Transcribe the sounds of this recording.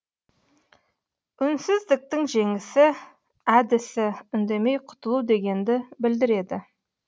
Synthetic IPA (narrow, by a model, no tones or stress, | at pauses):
ʏnsɪzd̪ɪk̚t̪ɪŋʒe̞ŋɪsɪ | æd̪ɪsɪʏnd̪e̞me̞jqʰʊ̥t̪əlˠuwd̪e̞ɡʲe̞nd̪ɪbɪld̪ɪɾe̞d̪ɪ